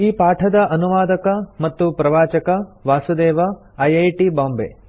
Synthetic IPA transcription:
iːpaːʈʰɐd̪ɐʔɐnuʋaːd̪ɐkɐmɐt̪ːupɾɐʋaːt͡ʃɐkɐʋaːsud̪ɛːʋɐ | ɐjɐjʈibaːmbḛː

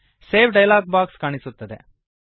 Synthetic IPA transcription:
seːpʰɖɐjlaːɡ̚baːkskaːɳisut̪ːɐd̪ḛ

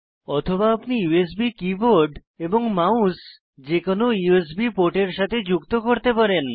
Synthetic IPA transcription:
ɔt̪ʰobaapnijues̬bikiboɾɖ | eboŋmaus | d͡ʑekonojues̬bipoʈeɾʃat̪ʰed͡ʑukt̪okoɾt̪epaɾen

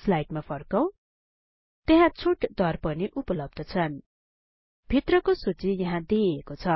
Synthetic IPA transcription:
slajʈmapʰʌrkʌw̃ | t̪eɦãt͡sʰuʈd̪ʌrpʌniʔupʌlʌb̚d̪ʱʌt͡sʰʌn | bʱit̪rʌkosut͡sijʌɦãd̪iekot͡sʰʌ

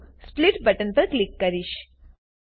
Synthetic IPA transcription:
spliʈbəʈənpəɾklikːəɾiʃ

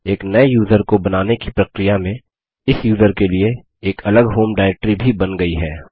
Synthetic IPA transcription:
eːknɐejuːzəɾkobɐnaːnekipɾɐkɾɪjamẽ | ɪsjuːzəɾkelie | eːkʰɐləɡɦoːmɖaːɪɛk̚ʈɾibʱibɐnɡɐiɦɛː

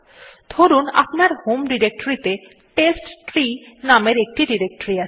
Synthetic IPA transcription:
d̪ʱoɾuna̰pnaɾhomɖiɾek̚ʈoɾit̪e | ʈesʈʈɾinameɾek̚ʈiɖiɾek̚ʈoɾia

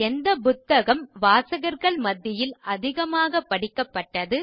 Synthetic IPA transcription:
ɛnd̪ɐpʊt̪ːɐɣɐmʋaːsɐɣɐɾɣɐɭmɐd̪ːɪjɪlɐðɪɣɐmaːɣɐpːɐɽɪkːɐpːɐʈːɐðɯ

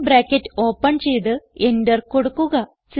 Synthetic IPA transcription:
bɾaːkʲːetːo̞ːpːɐɳt͡ɕe̞jt̪ɨendɐrko̞ɽukːuɣɐ | s

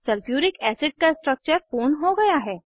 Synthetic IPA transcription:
səlfjuːɾɪkɛsɪɖ̚kasʈɾək̚t͡ɕəɾfoːnɦoɡɐjaɦɛː

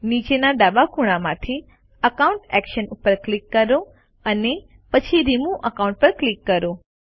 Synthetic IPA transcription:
nid͡ʒenaɖabakʰuɽ̃amãt̪ʰi | əkaʊ̃ɳʈɛkʃənupəɾklikːəɾo | əne | pət͡ʃʰiɾimũʔəkaw̃ɳʈ̚pəɾklikːəɾo

